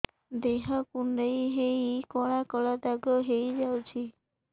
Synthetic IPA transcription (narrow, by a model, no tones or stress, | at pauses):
d̪eɦɔkuɳɖəiɦeikɔɭ̃akɔɭad̪aɡɔɦeid͡ʒawt͡ʃʰi